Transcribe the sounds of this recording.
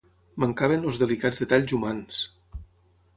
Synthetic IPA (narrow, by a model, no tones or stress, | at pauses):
maŋkaβenozðelikad͡zzðet̪aʎzumans